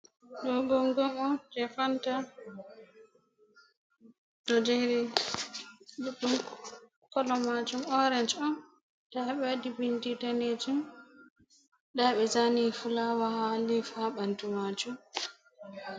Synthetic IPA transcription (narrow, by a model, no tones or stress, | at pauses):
ɗɔɡɔŋɡɔmɔd͡ʒɛfanta | dɔd͡ʒeɾi | ɗuɗːum | kɔlɔmad͡ʒumɔɾɛnd͡ʒɔn | d̥aɓɛadibinditaned͡ʒum | ɗaɓɛzanifulawahalifaɓantumad͡ʒum